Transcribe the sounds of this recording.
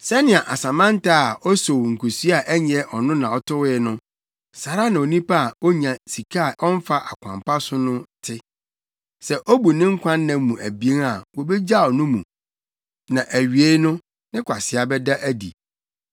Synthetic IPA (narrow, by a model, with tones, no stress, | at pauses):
sɛ˦nɪ̃˨a˨ʔa˨sã˨mã˦n˦taː˦˨ɔ˦so˨wŋ̩˨kʰo˨si˦a˨ʔɛ˦ɲɛ̃˨ʔɔ˨nʊ̃˦nã˨ɔ˦tʊ˦wɪ˦nʊ̃˦ | sa˨ɾa˦nã˨o˨nĩ˦pa˦a˨o˦ɲã˨si˨kʰa˦a˨ʔɔ˦m˦fa˦ʔa˨kʷʰã̰˨mpa˦sʊ˦nʊ̃˦tʰɪ˦ | sɛ˨ʔo˦bu˨nɪ̃˦ŋ̩˦kʷʰã˦nː˦ã˨mũ˨ʔæ˨bi˨˦e˦ŋa˨wo˨be˦d͡ʑa˦˨ɔ˨nʊ̃˦mṵ̃˨ | nã˨ʔæ˨ɥi˨e˦nʊ̃˦ | nɪ̃˦kʷʰa˨sɪ˨a˨bɛ˦da˦ʔæ˦dḭ˨